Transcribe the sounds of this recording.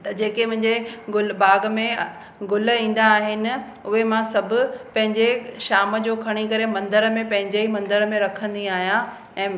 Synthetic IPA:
t̪ɐd͡ʑeːkemʊ̃ɦɪ̃ɲd͡ʑeɡʊlbaːɡmẽ | ɡʊləĩːn̆d̪aːɦɪnɪ̆ | ʊɦemãsɐbʱʊ̆pɐ̃ɦɪ̃ɲd͡ʑeʃaːməd͡ʑoːkʰɐɽ̃ikɐɾemɐ̃nd̪əɾəmẽpɐ̃ɦɪ̃ɲd͡ʑeimɐ̃nd̪əɾəmẽɾɐkʰə̃nd̪iaːɦijã | ɛ̃ː

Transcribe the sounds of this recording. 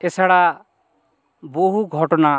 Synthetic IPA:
esaɽa | boɦuɡʱɔʈna

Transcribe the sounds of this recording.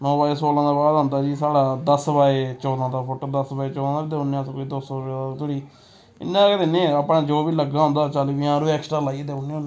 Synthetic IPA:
nɔːbaːeːsoːlãːd̪aːbaːd̪ɦʊnd̪aːd͡ʒiːsaːɽaːd̪əsbaːeːt͡ʃɔːd̪ãːd̪aːpʰʊʈːd̪əsbaːeːt͡ʃɔːd̪ãːd̪aːt̪eʊnːjãːskoiːd̪oːsoːɾd̪at̪oɽiː | ɪ̰nːãːked̪ɪnːẽːəpnãːd͡ʒoːʋiːləɡaːɦnd̪aːt͡ʃaːlːʋiãːɾuɛːksʈɾaːlaːiet̪eːʊneʊn

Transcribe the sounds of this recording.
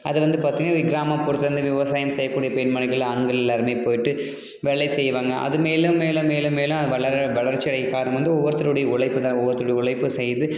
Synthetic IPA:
ɐðɯʋɐnd̪ɯpaːɾt̪iːŋɡɐnɐɪɡɪɾaːmɐpɔɾɯt̪ːɐʋɐnd̪ɯʋɪʋɐsaːjɐmsɛjːɐkːuːɽɪjɐpɛnmɐnɪɣɐɭaːɳɡɐɭɛlːaːɾmeːpoːjɪʈːɯ | ʋɛɭːɐɪsɛjːʋaːŋɡɐʔɐ̰ðɯmeːlɯmːeːlɯmːeːlɯmːeːlʊ̃ɐðɯʋɐɭɐɾʋɐɭɐɾt͡ʃːɪɽɐkːkːaːɾɐmʋɐnd̪ɯɔʋɐɾt̪ːɐɾʊɽɐjɐʊɭɐɪpːɯðaɔʋɐɾt̪ɪʊɽɐjɐʊɭɐɪpːɯsɛjðɯ

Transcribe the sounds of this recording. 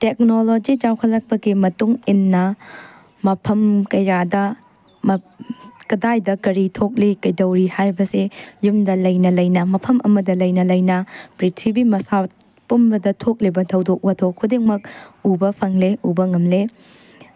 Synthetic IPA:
tek̚nolod͡ʒid͡ʒawkʰɐlːɐk̚pɐɡimɐtuŋinːɐ | mɐpʰɐmkɐjɾadɐ | m | kɐdajdɐkɐɾitʰok̚likɐjdɐwɾihajbɐsejumdɐlɐjnɐlɐjnɐmɐpʰɐmʔɐ̰mɐdɐlɐjnɐlɐjnɐpɾitʰibimɐsa | pumbɐdɐtʰok̚libɐdɐwdok̚wɐdokʰːudeŋmɐk̚ubɐpʰɐŋleʔubɐŋɐmle

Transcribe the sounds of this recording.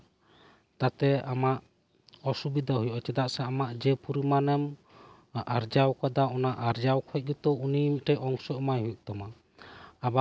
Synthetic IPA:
t̪at̪ɛamaʔ | ɔsubid̪aɦujɔʔɔt͡ʃɛd̪aʔsɛamaʔd͡ʒɛpuɾimanɛm | aɾd͡ʒawkad̪aɔnaʔaɾd͡ʒawkʰɔɛɡut̪ɔunimit̪̚ʈɛjʔɔŋsɔʔɔmajhujuʔ̚t̪ɔma | aba

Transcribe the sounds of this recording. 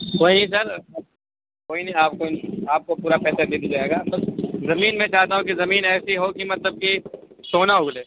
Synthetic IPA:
koːinĩsɐɾ | koːinɐĩaːp̚konaːp̚kopuːɾapɛːsad̪eːd̪id͡ʒaːeːɡaːbɐszɐmiːnmẽt͡ʃaːɦt̪aɦũkizɐmiːnɛːsiɦokimɐt̪lɐb̚ki | soːnaʊɡleː

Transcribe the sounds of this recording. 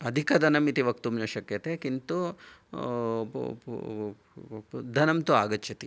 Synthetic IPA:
ɐd̪ʱikɐd̪ʱɐnɐmit̪iʋɐk̚t̪umnɐʃɐkjɐt̪ekint̪u | d̪ʱɐnɐmt̪uaːɡɐt͡ʃːjɐt̪i

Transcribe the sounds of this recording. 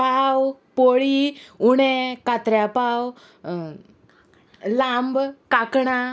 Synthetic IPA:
paw | poɭiuɽ̃ekat̪ɾjapaw | lambkakɳa

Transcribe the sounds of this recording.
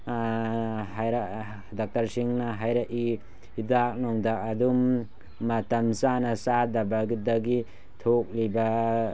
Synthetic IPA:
hajɾa | dak̚taɾsiŋnaɦajɾaʔi | idak̚nɔŋdak̚ɐdumː | atɐmsanasadabaɡidaɡi | tʰok̚liba

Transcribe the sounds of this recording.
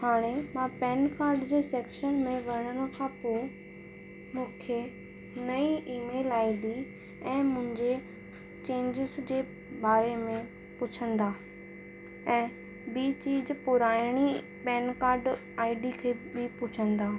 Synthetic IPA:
haːɽ̃emãːpɛːnkaːɾɖd͡ʑeːseːkʃənmẽʋɐɽ̃əɽ̃ʊ̆kʰãpoː | mũːkʰe | nɐiiːmeːlaːɪ̃ɖd̪i | ɛ̃ːmʊ̃ɦɪ̃ɲd͡ʑe | t͡ɕẽːɲd͡ʑɪzd͡ʑeː | baːɾemẽ | pʊt͡ɕʰə̃nd̪aː | ɛ̃ː | biːt͡ɕiːd͡ʑpʊɾaːɪɽ̃i | pɛːnkaːɾɖ | aːɪɖikʰeːbɪpʊt͡ɕʰə̃nd̪aː

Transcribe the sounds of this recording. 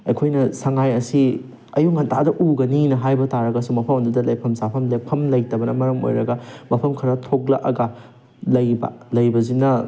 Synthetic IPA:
ɐjkʰojnɐsaŋajɐsi | ɐjuŋhɐntadɐʔuɡɐninɐɦajbɐtaɾɐɡɐsumɐpʰɐmɐnd̪udɐlɐjpʰɐmsapʰɐmlɐjpʰɐmlɐjtɐbɐnɐmɐɾɐmo̰jɾɐɡɐmɐpʰɐmkʰɐɾɐtʰok̚lɐʔɐɡɐ | lɐjbɐ̰lɐjbɐzinɐ

